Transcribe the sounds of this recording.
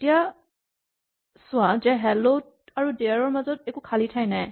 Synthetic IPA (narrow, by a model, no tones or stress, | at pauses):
tija | sʊwazɛɦɛlod̚ | aɹudeaɹɔɹmazɔt̚ɛkukʰalitʰajnaj